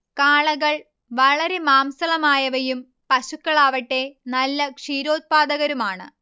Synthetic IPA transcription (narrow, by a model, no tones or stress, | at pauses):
kaːɭɐɣɐɭ | ʋɐɭɐɾe̞maːmsɐlɐmaːjɐʋɐjum | pɐɕukːɐɭaːʋɐʈːe̞nɐlːɐkʂiːɾo̞ːt̪̚paːd̪ɐɣɐɾumaːɳɨ̰